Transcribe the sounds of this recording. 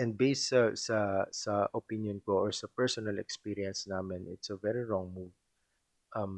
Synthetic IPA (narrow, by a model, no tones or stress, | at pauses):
ʔɛ̃nd̪̚beɪssɐsɐsɐʔopĩnjɔ̃nkoʔɔɹsɐpɛɹsɔnɐlɛ̰kspiɾiɐ̃nsnaːmɪ̃nʔɪt̪sɐvɛɹiɹɔ̃ŋmuːd | ʔɐ̃m